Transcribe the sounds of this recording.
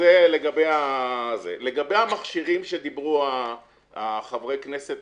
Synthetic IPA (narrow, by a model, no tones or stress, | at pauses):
ele̞ɡabejazḛleɡabejamaχʃiʁimʃed̪ibʁua | aχavʁejknese̞t̪